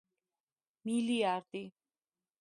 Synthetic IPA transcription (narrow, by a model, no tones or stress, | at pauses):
miliaɾd̪i